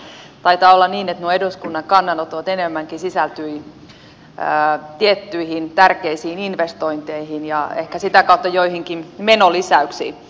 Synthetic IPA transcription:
t̪ɑit̪ɑːolːɑniːnet̪nuoeduskunːɑŋkɑnːɑnot̪oʋɑt̪enemːæŋkisisælt̪yi | ət̪iet̪ːyihint̪ærkeisiːninʋest̪oint̪eihinjɑḛhkæsit̪ækɑut̪ːɑjoihiŋkimenolisæyksḭː

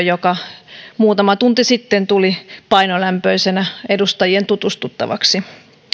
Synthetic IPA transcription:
jokɑmuːt̪ɑmɑt̪unt̪isit̪ːent̪ulipɑinolæmpøisenæedust̪ɑjient̪ut̪ust̪ut̪ːɑ̰ʋɑ̰ksi

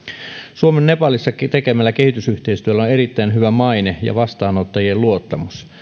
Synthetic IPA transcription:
suomenːepɑlːˑisːɑt̪ekemælːæke̞hit̪ysyht̪eist̪yælːæoneɾit̪ːæinɦyʋæmɑinejɑ̰ʋɑst̪ɑːnot̪ːɑjielluot̪ːɑmus

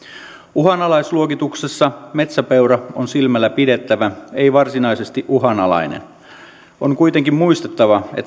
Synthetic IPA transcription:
uɦɑnɑlɑjsluokit̪uksesːɑme̞t̪sæpewɾɑonsilmælːæpide̞t̪ːæʋæe̞jʋɑrsinɑjse̞st̪iʔuɦɑnɑlɑ̰jnḛn | oŋkujt̪e̞ŋkimmuist̪et̪ːɑʋɑḛt̪ː

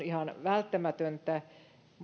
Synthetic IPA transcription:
nihɑnʋælt̪ːæmæt̪ønt̪æ | m

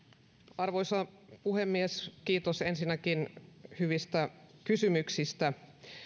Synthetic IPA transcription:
ɑrʋo̞jsɑpuhemːieskiːt̪osensinːækinhyʋist̪ækysymyksist̪æ

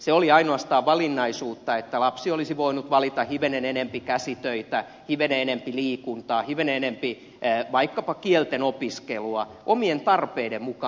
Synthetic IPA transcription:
seoliɑinoɑst̪ɑːʋʋɑlinːɑisuːt̪ːɑet̪ːælɑpsiolisiʋoinut̪ʋɑlit̪ɑhiʋenenenempikæsit̪øit̪æ | hiʋeneenempiliːkunt̪ɑːhiʋenenempi | ʋɑikːɑpɑkielt̪enopiskeluɑ | ʔomient̪ɑrpeidemmukɑː

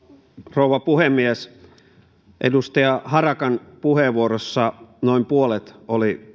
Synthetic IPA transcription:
rouʋɑpuhemːies | ʔḛdust̪ɑjɑhɑrɑkɑnpuheʋuorosːɑnoimpuolet̪oli

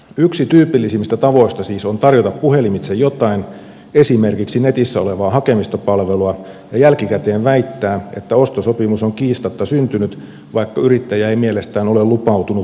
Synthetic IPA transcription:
yksit̪yːpilːisimːist̪æt̪ɑʋo̞ist̪ɑsiːsont̪ɑrjot̪ɑppuhe̞limit̪sejjot̪ɑin | e̞simerkiksinet̪isːæoleʋɑːhɑkemist̪ɑpɑlʋeluɑ | jɑjælkikæt̪eːnʋæit̪ːæːet̪ːæo̞st̪osopimusoŋkiːst̪ɑt̪ːɑsynt̪ynyt̪ | ʋɑikːɑyɾit̪ːæjæeimielest̪æːnolelupɑut̪unu

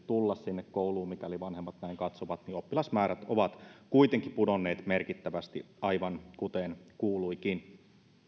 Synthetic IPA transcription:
t̪ulːɑssinːekkouluːmikæoliʋɑnhemːɑt̪næiŋkɑt̪soʋɑt̪niopːilɑsmæːɾæt̪oʋɑt̪kuit̪eŋkipudonːeːt̪merkit̪ːæʋæst̪ḭ | ɑjʋɑnkut̪eːnkuːluikin

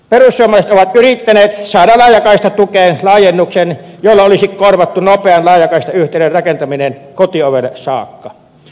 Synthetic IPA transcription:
perusːuoɑmˑɑˑset̪ʔoʋɑt̪ʔyrit̪ːæneːt̪sɑˑedɑlɑˑjˑɑkɑˑist̪ɑt̪ukeːnlɑˑːjenːuksenjolːɑolisikkorʋɑt̪ːunopeɑnlɑˑejˑɑkɑˑist̪ɑyht̪ˑeˑnerrɑkent̪ɑminenkot̪ioʋelːɑsɑ̰ːkːɑ

